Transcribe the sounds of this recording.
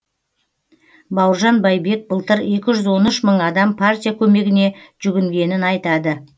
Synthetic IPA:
bɑwəɾʒɑnbɑjbe̞k̚bəlˠt̪əɾe̞kʲɪʒʏzwo̞nʏʃməɴɑd̪ɑmpʰartʲijakʲʰɵme̞ɡʲɪne̞ʒ̥ʏɡʲɪŋɡʲe̞nɪnɑjt̪ɑd̪ə

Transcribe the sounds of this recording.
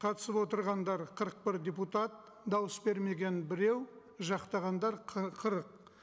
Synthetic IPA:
qʰɑt̪ə̥səpwo̞t̪əɾʁɑnd̪ɑɾqʰəɾəq̚bɪɾd̪ʲeput̪ɑt̪̚ | d̪ɑwəsbe̞ɾme̞ɡʲe̞nbɪɾe̞w | ʒɑqt̪ɑʁɑnd̪ɑɾqqʰəɾəq̚

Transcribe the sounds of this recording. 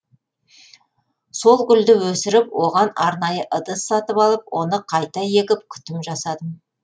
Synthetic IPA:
so̞lˠɡʲʏld̪ɪwɵsɪɾɪpwo̞ʁɑnɑɾnɑjəʔəd̪əsːɑt̪əpɑlˠəp̚wʔo̞nəqʰɑjt̪ɑje̞kʲɪpkʲʰʏ̥t̪ɪmʒɑsɑd̪əm

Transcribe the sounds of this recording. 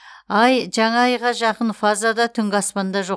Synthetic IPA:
ɑjʒɑɴɑːjʁɑʒɑqənfazad̪ɑt̪ʰʏŋɡʲɪɑspɑnd̪ɑʒo

